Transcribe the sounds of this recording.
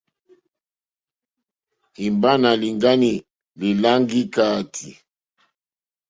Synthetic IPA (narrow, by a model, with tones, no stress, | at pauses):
i˨mba˦na˨li˨ŋɡa˦ni˨ | li˨la˦ŋɡi˦ka˦tʰi˨